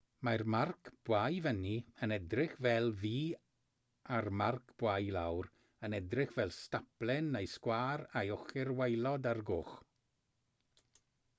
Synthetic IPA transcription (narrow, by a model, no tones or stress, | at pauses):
marmarkʰb̥wajvəniənɛdrɪχvɛlˠviː | armarkʰb̥wajlˠawɾ | ənɛdrɪχvɛlˠstaplˠɛnːejskwaːɾajɔχɪrwejlˠɔdarɡʊːχ